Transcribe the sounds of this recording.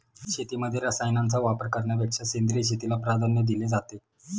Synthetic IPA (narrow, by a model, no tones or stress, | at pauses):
ɕet̪iməd̪ʱːjeɾəsajnant͡saʋapəɾkəɾɳjapjəkʂasend̪ɾiɕet̪ilapɾad̪ʱənjəd̪iled͡zat̪e